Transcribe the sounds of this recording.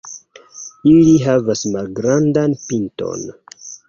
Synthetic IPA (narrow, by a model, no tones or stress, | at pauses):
iliɦavasmalɡɾandanpinto̰n